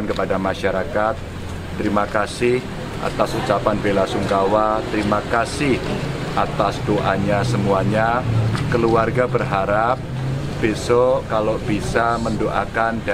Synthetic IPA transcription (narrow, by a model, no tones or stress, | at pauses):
ankəpadamaʃaɾakat̪̚ː | əɾimakasɪh | ʔa̰t̪asut͡ʃapanbelasuŋkawat̪əɾimakasɪh | ʔat̪asdoʔaɲasəmuaɲakəluarɡabərɦaɾap̚ | b̥esokalob̥isaməndoʔakanda